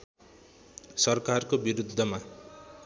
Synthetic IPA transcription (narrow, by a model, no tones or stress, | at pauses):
sʌrkarkobiɾud̪ʱːʌma